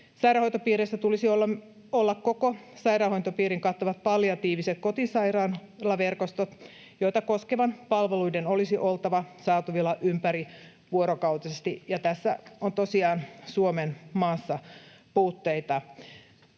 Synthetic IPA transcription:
sɑjɾɑːhont̪opiːɾesːæt̪ulisiolː | olːɑkkokosɑjɾɑːhoint̪opiːɾiŋkɑt̪ːoʋɑt̪̚pɑljɑt̪iːʋiset̪̚kot̪isɑjrɑːn | lɑʋerkost̪ot̪ | joit̪ɑkoskeʋɑnpɑlʋeluidenolisiʔolt̪ɑʋɑsɑːt̪uʋilːɑʔympæɾi | ʋuoɾokɑut̪ɑsest̪ijɑt̪æsːæont̪osiɑːnsuomenmɑːsːɑ | puːt̪ːeit̪ɑ

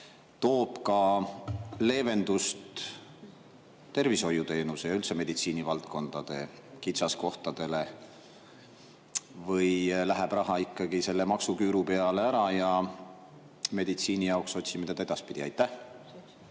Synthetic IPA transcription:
t̪o̞ːb̥kɑ | le̞ːve̞nd̪ust̪ | t̪ːe̞rviso̞jːut̪e̞ːnusejɑylt̪seme̞d̪it̪siːnivɑlt̪̚ko̞nd̪̥ɑd̪̥e̞̰ | kit̪sɑsko̞ht̪ɑd̪̥e̞le̞ | vɤjlæɦeb̥rɑɦɑikˑːɑɡ̥ise̞lːemɑksukyːɾupe̞ɑle̞æɾɑjɑ | me̞d̪̥it̪siːnijɑokso̞t̪ʲsimet̪ed̪ɑe̞d̪̥ɑspid̪̥iɑjt̪ːˑæh

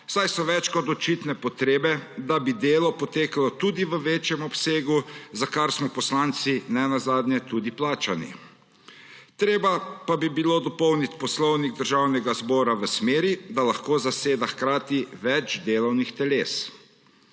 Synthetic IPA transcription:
sajsɔʋɛt͡ʃkɔt̪ɔt͡ʃit̪nɛpɔt̪ɾeːbɛd̪abid̪eːlɔpɔt̪eːkalɔt̪ud̪iʋəʋeːt͡ʃjɛmɔpseːɡuzakaɾsmɔpɔslaːnt̪sinɛnazaːd̪njɛt̪ud̪iplaːt͡ʃanḭ | t̪ɾeːbapabibiloːd̪ɔpɔwnit̪pɔslɔwniɡ̚d̪əɾʒawnɛɡazbɔːɾaʋəsmeːɾid̪alaxkoːzaseːd̪axkɾaːt̪iʋɛt͡ʃd̪eːlɔwnixt̪ɛleːs

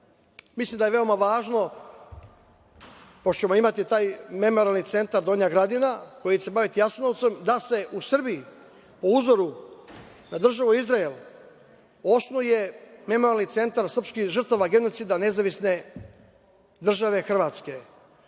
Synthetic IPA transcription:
mislˠimd̪ajeʋe̞o̞maʋaːʒno̞ | pot͡ɕe̞moimat̪it̪aːjme̞mo̞ɾalnit̪se̞nt̪aɾd̪o̞ːɲaɡɾad̪inako̞jit͡ɕe̞baʋit̪ijasnot̪se̞md̪ase̞ʔusr̩biji | po̞uzo̞ɾu | nad̪r̩ʒaʋuizɾael | o̞snuje̞me̞moɾalnit̪se̞nt̪aɾsr̩pskixʒr̩t̪aʋaɡe̞no̞t̪sid̪ane̞zaʋisne̞ | d̪r̩ʒaʋe̞xr̩ʋaːt̪ske̞

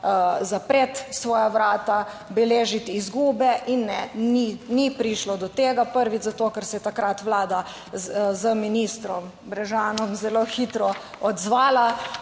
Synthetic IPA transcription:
zapɾet̪sʋɔːjaʋɾaːt̪a | bɛleːʒit̪iːzɡuːbɛʔinːɛninipɾiʃlɔd̪ɔt̪eːɡapəɾʋit͡szat̪oːkɛɾsɛjɛt̪akɾat̪ʋlaːd̪a | zəminist̪ɾɔm | bɾɛʒaːnɔmzɛloːxit̪ɾɔ | ɔd̪zʋaːla

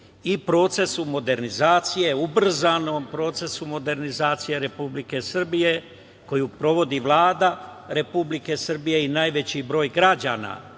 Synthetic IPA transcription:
ipɾo̞ːt̪se̞sumo̞d̪e̞ɾnizaːt̪sije̞ubr̩zaːno̞ːmpɾo̞ːt̪se̞sumo̞d̪e̞ɾnizaːt̪sije̞ɾe̞publike̞sr̩bije̞ | ko̞jupɾo̞ʋo̞d̪iʋlˠaːd̪a | ɾe̞publike̞sr̩bije̞inaːjʋe̞t͡ɕibɾo̞ːjɡɾad͡ʑa̰na̰

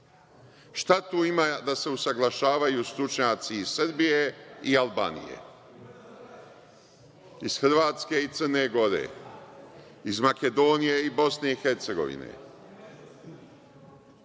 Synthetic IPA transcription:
ʃt̪at̪uːimad̪ase̞usaɡlˠaʃaːʋajuːst̪ɾut͡ʃɲaːt̪siːz̥sr̩bijeialˠba̰ːnḭjḛ | iz̥xɾʋaːt̪ske̞it̪səɾne̞ɡo̞ɾḛ | izmake̞d̪o̞nijeibo̞sne̞ixe̞ɾt̪se̞ɡo̞̰ʋḭnḛ

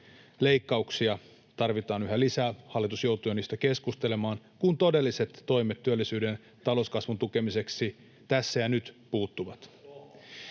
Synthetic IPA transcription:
le̞ikːɑuksiɑ | t̪ɑrʋit̪ɑːnyɦælisæːhɑlːˑit̪usjo̞wt̪ujɑniːst̪æke̞skust̪e̞lemɑːnkunt̪o̞de̞lːise̞t̪ːo̞jmet̪ːyølːisyːden | t̪ɑlo̞skɑsʋunt̪uke̞mise̞ksi | t̪æsːæjɑnyt̪puːt̪ːuʋɑt̪

